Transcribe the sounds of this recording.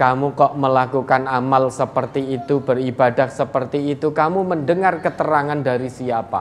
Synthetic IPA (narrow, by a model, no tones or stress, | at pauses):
kamukɔʔməlakukanamalsəpərt̪iːt̪ubəribadahsəpərt̪iːt̪ukamuməndəŋarkət̪əɾaŋandaɾisiapa̰